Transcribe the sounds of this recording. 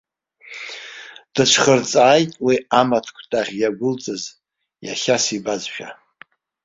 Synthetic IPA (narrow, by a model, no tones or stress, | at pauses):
d̥ɨt͡ʃʷʰχərt͡sʼaːjtʼwiamatʰkʷʰtʼaʁʲjaɡʷʊlt͡sʼɨz | ja̰χʲasibazʃᶣa̰